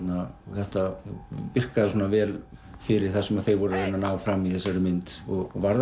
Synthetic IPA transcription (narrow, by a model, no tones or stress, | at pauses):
t̪naθɛht̪apɪr̥kaðɪsuːnavɛːlfɪɾɪɾ̥θɛsːɪmaðθejɣvɔɾʏɾajnanaːwfɾamːiθɛsːaɾɪmɪnt̪ɔɣvaɾð